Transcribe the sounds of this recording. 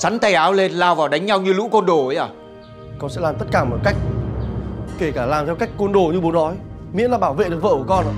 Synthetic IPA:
sa˨˦nt̪a˧˩jʔaː˨˦wle˧nlaː˧wvaː˨˩wɗa˨˦ŋ̟ɲa˧wɲɨ˧lṵ˧˥kɔ˧nɗo˧˩ə˨˦jʔaː˨˧˩ | kɔ˧nsɛ̰˧˥laː˨˩mt̪ə˦˥t̚kaː˧˩mɔ˨˩ka˦˥jk̟̚ | ke˧˩kaː˧˩laː˨˩mt̪ʰɛ˧wka˦˥jk̟̚kə˧nɗo˨˧˩ɲɨ˧ɓo˨˦nɔ˨˦jmḭ˧˥nlaː˨˩ɓaː˧˩wvḛ˧˨ɗə˨˩və̰ː˧˨ku˧˩kɔ˧nʔa̰ː˧˨

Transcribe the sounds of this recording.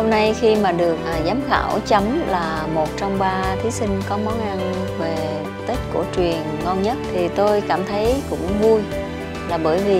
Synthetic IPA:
ho˧mna˧jxi˧maː˨˩ɗɨ˨˩ək̚ʔzaː˨˦mxa̰ː˧˩wt͡ɕə˨˦mlaː˨˩ | mo˨˩t̚t͡ɕɔ˧wŋ͡mɓaː˧t̪ʰi˨˦sï˧ŋ̟kɔ˨˦mɔ˨˦nʔa˧n | ve˨˩ | t̪e˦˥t̚ku˧˩ət͡ɕwi˨˩ənŋɔ˧nɲə˦˥t̚t̪ʰi˨˩t̪o˧jkaː˧˩mt̪ʰə˨˦jkʊ̰˧˥ŋ͡mvu˧j | laː˨˩ɓəː˧˩jvi˨˩

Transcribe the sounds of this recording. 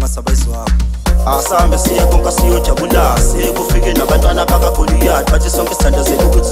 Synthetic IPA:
asaɓe˨zi˨waː˦kʰɔa˨sa˦mbʱɛ˨si˦jɛ˦kʰɔŋkʼa˦si˦jɔ˦d̥ʒ̥ʱa˨ɓu˦lase˦k̬ufi˦k̬ɛ˦na˨ɓantʼwanaɓak̬ʼakʰo˨lu˦a˨a˦tʰisɔ˦ŋkʼistʰa˦nd̥ʱa˨ze˨nu˦k̬uː˦tʰi

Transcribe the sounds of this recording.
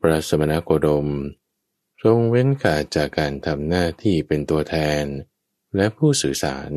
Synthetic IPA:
pɾa˦˥t̪̚sa˧ma˧na˦˥kʰoː˧do˧m | so˧ŋwe˦˥nkʰaː˨˩t̪̚t͡ɕaː˨˩kːaː˧nt̪ʰa˧mnaː˥˩t̪ʰiː˥˩pe˧nt̪u˧ɐt̪ʰɛː˧n | lɛ˦˥ʔpʰuː˥˩sɯː˨˩˦sa̰ː˩˦n

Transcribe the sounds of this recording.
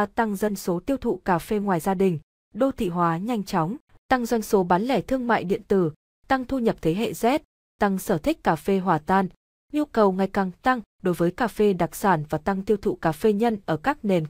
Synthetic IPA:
t̪a˧ŋzə˧jŋ̟so˨˦t̪i˧əwt̪ʰṵ˧˨kaː˧˩fe˧ŋwaː˨˩jzaː˧ɗï˨˩ŋ̟ | ɗo˧t̪ʰḭ˧˨ɦwaː˨˦ɲa˧jŋ̟t͡ɕɔ˨˦wŋ͡m | t̪a˧ŋzwa˧jŋ̟so˨˦ɓaː˨˦nlɛ˧˩t̪ʰɨ˧əŋma̰ː˧˨jɗḭ˧˨ənt̪ɨ˧˩ | t̪a˧ŋt̪ʰu˧ɲə˨˩p̚t̪ʰe˨˦ɦḛ˧˨zɛ˦˥t̚ | t̪a˧ŋsəː˧˩t̪ʰï˦˥k̟̚kaː˨˩fe˧ɦwaː˨˩t̪aː˧n | ɲu˧kə˨˩wŋa˨˩jkaː˨˩ŋt̪a˧ŋɗo˨˦jvəː˨˦jkaː˧˩fe˧ɗa˨˩k̚saː˧˩nvaː˨˩t̪a˧ŋt̪i˧əwt̪ʰṵ˧˨kaː˨˩fe˧ɲə˧nʔəː˧˩kaː˦˥k̚ne˨˩n

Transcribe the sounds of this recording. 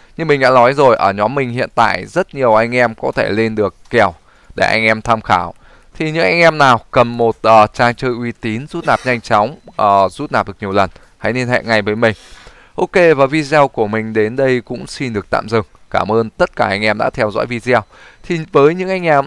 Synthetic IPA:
ɲɨ˧ŋmï˨˩ŋ̟ɗa̰ː˧˥nɔ˨˦jzo˨˩jʔəː˧˩ɲɔ˨˦mːï˨˩ŋ̟hḭ˧˨ənt̪a̰ː˧˨jzə˦˥t̚ɲi˨˩əwʔa˧jŋ̟ʔɛ˧mkɔ˨˦t̪ʰe˧˩le˧nɗɨ˨˩əkːɛ˨˩əw | ɗe˧˩ʔa̰˧jŋ̟ʔɛ˧mt̪ʰaː˧mxaː˧˩w | t̪ʰi˨˩ɲɨ̰˧˥ŋʔa˧jŋ̟ʔɛ˧mnaː˨˩wkə˨˩mmo˨˩t̚ʔəː˨˩t͡ɕaː˧ŋt͡ɕəː˧˩jʔwi˧t̪i˨˦nzu˦˥t̚naː˨˩p̚ɲa˧jŋ̟t͡ɕɔ˨˦wŋ͡mʔəː˨˩zu˦˥t̚naː˨˩ɗɨ˨˩ə˩k̚ɲi˨˩əwlə˨˩n | ha̰˧˥jni˧nhɛ̰˧˨ŋa˨˩jvəː˨˦jmï˨˩ŋ̟ | ʔo˧ke˧vaː˨˩vi˧zɛ˧wku˧˩əmï˨˩ŋ̟ɗe˨˦nɗə˧jkʊ̰˧˥ŋ͡msi˧nɗɨ˨˩ək̚t̪a̰ː˧˨mzɨ˨˩ŋ | kaː˧˩mʔəː˧nt̪ə˦˥t̚kaː˧˩ʔa˧jŋ̟ʔɛ˧mɗa̰ː˧˥t̪ʰɛ˧wzɔ̰˧˥jvi˧zw | t̪ʰi˨˩vəː˨˦jɲɨ̰˧˥ŋʔa˧jŋ̟ʔɛ˧m

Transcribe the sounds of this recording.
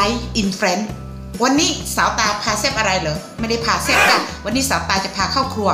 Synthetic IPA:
a˦jʔi˧nfɾe˦˥n | wa˧nːiː˦˥saː˩˦wt̪aː˧pʰaː˧se˥˩pʔa˧ɾa˧jlɤː˨˦ma˥˩jda˥˩jpʰaː˧se˥˩p̚na˦˥˩wa˧nːiː˦˥saː˩˦wt̪aː˧t͡ɕa˨˩pʰaː˧kʰaː˥˩wkʰlu˧ə

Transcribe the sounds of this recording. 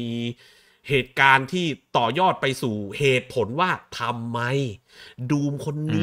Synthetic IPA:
iː˧ | heː˨˩t̪̚kaː˧nt̪ʰiː˥˩t̪ɔː˨˩jɔː˥˩t̪̚pa˧jsuː˨˩heː˨˩t̪̚pʰo˩˦nwaː˥˩t̪ʰa˧mːa˦˥j | duː˧mkʰo˧nːɯ˦

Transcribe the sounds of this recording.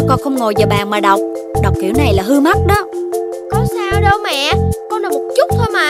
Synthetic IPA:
kɔ˧nxə˧wŋ͡mŋo˨˩jzaː˨˩ɓaː˨nmaː˨˩ɗa˨˩wk͡p̚ɗa˨˩wk͡p̚kḭ˧˦əwna˨˩jlaː˨˩ɦɨ˧ma˦˥t̚ɗɔ˨˦ | kɔ˨˧saː˧wɗə˧wmɛ̰˧˨kɔ˧nlaː˨˩mo˨˩t̚t͡ɕʊ˦˥k͡p̚t̪ʰoː˧jma˨˩˨

